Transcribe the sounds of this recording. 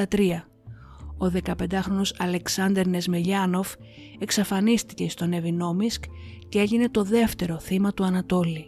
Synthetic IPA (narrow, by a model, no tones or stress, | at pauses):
ɐt̪ɾiɐ | o̞ðe̞kɐpe̞nd̪ɐxɾo̞no̞sɐle̞ksɐnd̪e̞ɾne̞zmeʎɐno̞v | e̞ksɐfɐnist̪ice̞ist̪o̞ne̞vino̞miskcee̞ʎine̞t̪o̞ðe̞ft̪e̞ɾo̞θimɐt̪uɐnɐt̪o̞li